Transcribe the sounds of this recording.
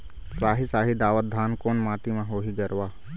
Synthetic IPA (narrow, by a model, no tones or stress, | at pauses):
saːɦisaːɦid̪aːʋət̪̚d̪ʱaːnkoːnmaːʈimãɦoːɦiɡɐɾʋaː